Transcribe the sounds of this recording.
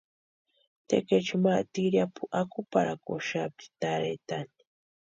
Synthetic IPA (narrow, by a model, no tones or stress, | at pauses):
t̪ḛket͡ʃimat̪iɾjapuʔakupaɾakoʃap̚t̪i̥t̪aɾet̪ani̥